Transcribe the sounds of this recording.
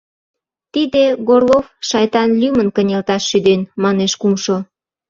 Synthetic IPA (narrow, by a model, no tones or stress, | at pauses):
t̪id̪eɡorlˠofʃɑjt̪ɑnlʲymənkənʲelt̪ɑʃːyd̪enmɑneʃkumʃo